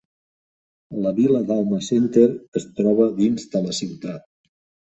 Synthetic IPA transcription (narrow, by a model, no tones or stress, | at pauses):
ləβiləd̪alˠməsent̪eɾəst̪ɾɔβ̞əðinzd̪ələsiwt̪at̪̚